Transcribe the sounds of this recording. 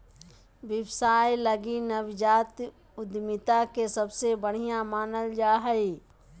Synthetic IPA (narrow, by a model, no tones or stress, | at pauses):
ʋɪwsaːjlɐɡinɐʋd͡ʒaːt̪ | ʊd̪mɪt̪akesɐbsebəɽ̤ijãmaːnəld͡ʒaːɦəi